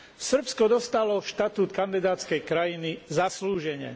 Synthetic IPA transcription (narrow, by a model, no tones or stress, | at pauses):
sr̩pskɔd̪ɔst̪alɔʃt̪at̪uːt̪kand̪id̪aːt͡skɛjkɾajinizasluːʒɛɲɪɛ̰